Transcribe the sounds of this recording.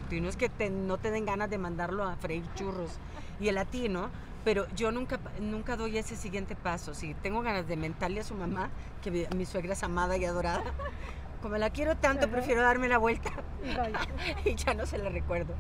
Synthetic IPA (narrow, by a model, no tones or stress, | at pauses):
t̪inoeske̞t̪eno̞t̪e̞ðe̞ŋɡanazðe̞mãnd̪aɾlo̞afɾaiɾt͡ʃuro̞s | ielat̪ino̞ | pe̞ɾo̞ʝo̞nũŋkanũŋkaðo̞je̞se̞siɣje̞nt̪e̞paso̞sit̪e̞ŋɡo̞ɣanazðement̪aɾleasumama | kemisːwe̞ɣɾaesamað̞aiað̞o̞ɾaða | ko̞mo̞lakje̞ɾo̞t̪ant̪opɾe̞fje̞ɾoðaɾme̞laβwe̞lt̪ḁ | iʝano̞se̞lare̞kwe̞ɾðo